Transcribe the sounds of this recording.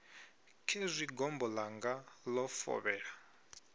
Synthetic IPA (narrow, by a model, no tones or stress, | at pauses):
kʰɛzʷiɡɔmbɔlaŋɡalɔfɔ̰βɛːɺa